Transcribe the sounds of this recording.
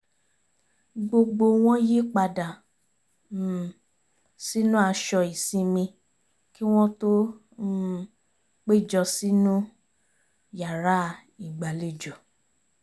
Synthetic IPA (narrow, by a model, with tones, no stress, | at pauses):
ɡ͡bo˧ɡ͡bo˧w̃ɔ̃˦ji˦k͡pa˧da˨ | si˦nũ˦a˧ʃɔ˧i˨sĩ˧mĩ˧ | ki˦w̃ɔ̃˦to˦ | k͡pe˦˨d͡ʒɔ˧si˦nũ˦ | ja˨ɾa˦˨ | i˨ɡ͡ba˨le˨d͡ʒɔ˨